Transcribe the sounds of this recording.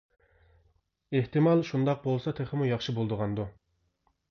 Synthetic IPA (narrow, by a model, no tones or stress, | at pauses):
eht̪ɨmɑlˠʃund̪ɑq̚bolˠsɑt̪ʰeχɪmujɑχʃibolˠd̪əʁɑnd̪u